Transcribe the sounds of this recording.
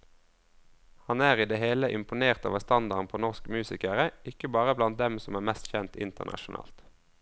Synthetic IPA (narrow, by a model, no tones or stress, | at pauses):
hɑnæːʁiːd̪eːheːləʔɪmpʊneːʁt̪ɑ̰ːʋəst̪ɑnd̪ɑʁnpʰoːnɔʁskmʉːsɪkəʁəɪkəbɑːʁəblɑnt̪̚d̪ɛmsɔmæːʁmɛst̪çɛnt̪ɪ̰nt̪əʁnʔɑ̰ʃʊnɑ̰ːlt̪